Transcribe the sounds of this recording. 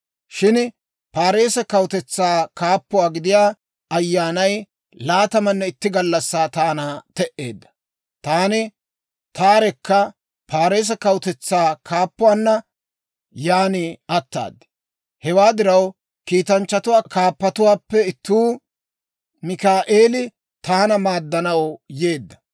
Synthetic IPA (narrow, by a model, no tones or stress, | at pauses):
ʃɪn | paːɾe̞ːsɐkɐwt̪ɛt͡sːaːkaːpːʊwaːɡɪd̪ɪjaː | ɐjːaːnɐj | laːt̪ɐmɐnːɛɪt̪ːɪɡɐlːɐsːaːt̪aːnaːt̪ɛʔe̞ːd̪ːɐ̥ | t̪aːnɪ | t̪aːɾɛkːɐ | pʰaːɾeːs̬ɐkɐwt̪ɛt͡sːaːkʰaːpːʊwaːnːɐ | jaːnɪɐt̪ːa̰ːd̪ɪ̥ | hɛwaːd̪ɪɾɐw | kiːt̪ɐnt͡ʃːɐt̪ʊwaːkaːpːɐt̪ʊwaːpːɛɪt̪ːuː | mɪkaːʔeːlɪ | t̪aːnɐmaːd̪ːɐnɐwjeːd̪ːɐ̥